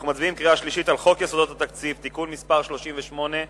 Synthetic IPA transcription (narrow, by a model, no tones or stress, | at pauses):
χnumat͡sbiimkʁiaʃliʃit̪alχo̞kjesod̪ot̪at̪akt͡sift̪ikunmispaʁʃlo̞ʃimveʃmo̞ne